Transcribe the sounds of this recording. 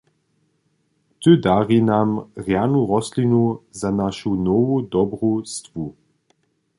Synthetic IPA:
t̪ʏd̪aʁinamʁjanuɾɔslinuzanaʃunɔvud̪ɔbʁust̪vu

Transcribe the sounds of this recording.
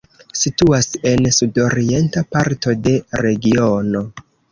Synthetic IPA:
situase̞nsudo̞ɾie̞ntapaɾto̞de̞ɾe̞ɡio̞no̞

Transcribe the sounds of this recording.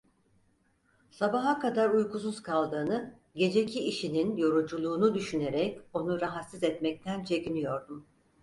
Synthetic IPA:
sabaɦakad̪aɾujkus̬uz̥kʰalˠd̪ɯːnɯ | ɟe̞d͡ʒe̞cʰiːʃininjo̞ɾud͡ʒulˠuːnud̪yʃyne̞ɾɛco̞nuɾaɦat̪sizɛt̪mɛc̚t̪ʰænt͡ʃʰe̞cinijo̞ɾd̪um

